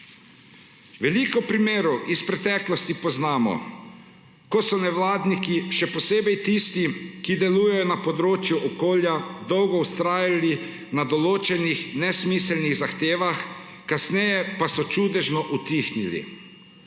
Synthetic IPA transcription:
ʋɛlikɔpɾimeːɾɔwʔispɾɛt̪ɛːklɔst̪ipɔznaːmɔ̰ | kɔsɔnɛwlaːd̪nikiʃɛpɔseːbɛjt̪ist̪ikid̪ɛlujɛjɔnapɔd̪ɾoːt͡ʃjuʔɔkoːljad̪ɔwɡɔwst̪ɾaːjali | nad̪ɔloːt͡ʃɛnixnɛsmislniɣzaxt̪eːʋax | kasnɛjɛpasɔt͡ʃuːd̪ɛʒnɔʔut̪ixnilḭ

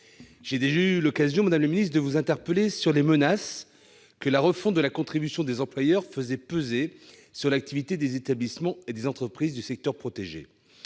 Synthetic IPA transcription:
ʒ̥ed̪eʒaylɔkazjɔ̃mad̪amləminist̪χd̪əvuzɛ̃t̪ɛʁpəlesyʁlemənas | kəlaʁəfɔ̃t̪̚d̪əlakɔ̃t̪χibysjɔ̃d̪ezɑ̃plwajœʁfəzɛpəze | syʁlak̚t̪ivit̪ed̪ezet̪ablismɑ̃ed̪ezɑ̃t̪χəpχizd̪ysɛk̚t̪œʁpχɔt̪eʒḛ

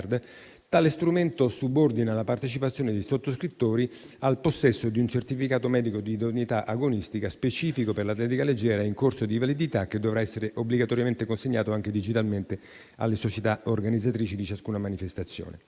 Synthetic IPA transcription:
rd̪ | t̪aːlest̪ɾument̪osubord̪inalapart̪et͡ʃipat̪sjoːned̪ejsot̪ːoskɾit̪ːoːɾi | alposːɛsːod̪iunt͡ʃert̪ifikaːt̪omɛːd̪ikod̪iːd̪onit̪aʔaɡonist̪ikaspet͡ʃiːfikoperlat̪lɛt̪̬ikaled͡ʒːɛːɾaiŋkorsod̪ivalid̪it̪ak̟ːed̪ːovɾaɛsːeɾeʔobliɡat̪ɔɾjament̪ekonseɲːaːt̪oaŋk̟ed̪id͡ʒit̪alment̪e | a̰lːesot͡ʃet̪aorɡanid̪zːat̪ɾiːt͡ʃid̪it͡ʃaskuːnamanifest̪at̪sːjo̰ːnḛ

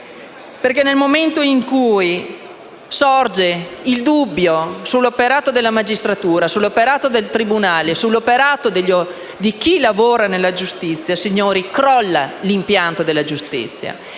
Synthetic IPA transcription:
perkenːelmoment̪oiŋkuj | sɔrd͡ʒeild̪ubːjosulːopeɾaːt̪od̪elːamad͡ʒist̪ɾat̪uːɾasulːopeɾaːt̪od̪elt̪ɾibunaːlesulːopeɾaːt̪od̪eʎːo | d̪ik̟ilavoːɾanelːad͡ʒust̪it̪sːjasiɲːoːɾikɾɔlːalimpjant̪od̪elːad͡ʒust̪ḭt̪sːja̰

